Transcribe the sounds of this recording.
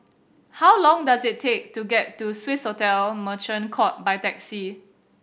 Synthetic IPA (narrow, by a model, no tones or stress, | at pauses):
hawlɔ̃ŋdazɪtʰːek̚tuɡɛt̚ːuswɪshotɛlmət͡ʃə̃nkʰɔt̚bajtɛksi